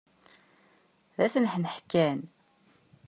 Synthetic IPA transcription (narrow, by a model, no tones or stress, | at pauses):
ðæsnəħnəħkːæn